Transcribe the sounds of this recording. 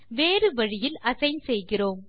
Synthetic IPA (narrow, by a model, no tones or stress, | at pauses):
ʋeːɾɯʋɐɻɪjɪlɐsɐɪnsɛjɣɪroːm